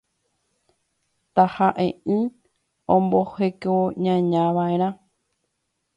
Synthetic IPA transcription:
t̪ahaʔẽɨ̃ | õmbohe̞koɲãɲãʋaeɾ̃ã

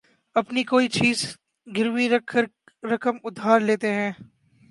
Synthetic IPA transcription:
ɐpnikoːit͡ʃiːz | ɡɪɾwikʰəɾ | ɾɐkəmʊd̪ʱaːɾleːt̪eɦɛ̃ː

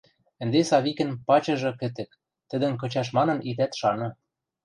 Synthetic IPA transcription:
ɘ̆nd̪esɑβikɘ̆npɑt͡ɕɤ̆ʒɤ̆kɘ̆t̪ɘ̆k | t̪ɘ̆d̪ɘ̆nkɤ̆t͡ɕɑʃ̬mɑnɤ̆nit̪æt̪ʃɑnɤ̆

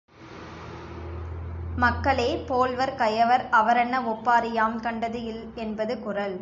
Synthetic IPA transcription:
mɐkːɐɭeːpoːlʋɐɾkɐjɐʋɐɾɐʋɐɾɐɳːɐɔpːaːɾɪjaːmkɐɳɖɐðɯɪl | ɛnbɐðɯkʊrɐl

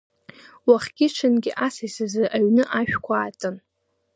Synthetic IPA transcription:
waχɡʲɪʈ͡ʂʰɨnɡʲɪʔasajsɨzɨʔaɥnɨʔaʃᶣkʷʰaːtʼɨn

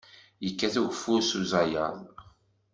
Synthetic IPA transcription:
jəkːæθuʝəfːuɾsuzajə̰ðˤ

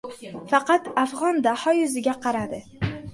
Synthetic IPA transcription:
fɑqɑt̪afʁɒnd̪ahɒjʊzɪɡʲaqʰɑɾad̪ɪ

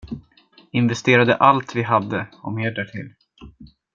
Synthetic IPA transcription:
ɪnvɛst̪eːɾad̪ə̰ʔalt̪vɪɦad̪ːəɔmeːɖæʈʰɪ̰l

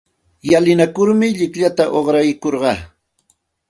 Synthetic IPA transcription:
jalɪnakʊɾmɪʎɪkʎat̪aʔoχɾajkoɾɢɑ

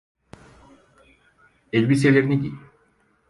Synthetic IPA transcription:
elʲbis̬elʲeɾniɡi

